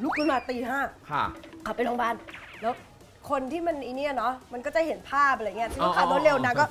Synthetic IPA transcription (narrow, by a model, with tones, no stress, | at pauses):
lu˦˥k̚u˧˦nmaː˧t̪iː˧ɦaː˥˩kʰa˧˩kʰa˨˩pa˧jloː˧ŋbaː˥˩nlɛː˦˥w | kʰo˧nt̪ʰiː˥˩ma˧nʔiː˧ni˦˥ɐ˨˩nɔ˦˥ma˧nkɔː˥˩t͡ɕa˧˩ɦe˩˦npʰaː˥˩p̚a˨˧˨ŋ˦˥˧t̪ʰi˥˩˥kʰaː˥˩d̪oː˧˦nle˧wna˦˧˥kɔː˥˩